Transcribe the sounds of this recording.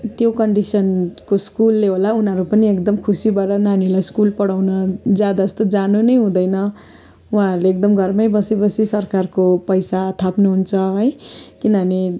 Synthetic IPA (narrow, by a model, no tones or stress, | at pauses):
t̪jokʌɳɖisʌnkoskulːeɦolaunɦʌɾupʌniekd̪ʌmkʰusibaʈʌnanilajskulpʌɽawnʌd͡zjad̪aʌst̪od͡zanunʌjɦũd̪ʌjnʌ | uãɦɾuleekd̪ʌmɡʱʌrmʌjbʌsebʌsisʌrkarkopʌjsat̪ʰapnuɦunt͡sʰʌɦʌjkinʌʌne